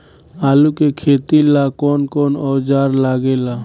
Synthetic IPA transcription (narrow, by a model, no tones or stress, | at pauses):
alukekʰet̪ilakɔnkɔnɔd͡ʒaɾlaɡela